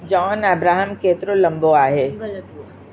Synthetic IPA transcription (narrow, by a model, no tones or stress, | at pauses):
d͡ʒɔːnɐbɾaːɦəmkeːt̪ɾolɐ̃mboaːɦeː